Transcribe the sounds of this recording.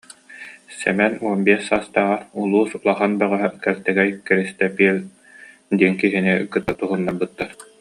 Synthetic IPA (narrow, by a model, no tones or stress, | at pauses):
sɛ̰mɛnuɔmbiɛsaːst̪aːʁaulˠuːsulˠaχanbœʁœɦœkɛlt̪ɛɡɛjkɛɾist̪ɛpiːl | d̪iɛnkiɦinikɯt̪ːat̪uɦɯnːaɾbɯt̪ːaɾ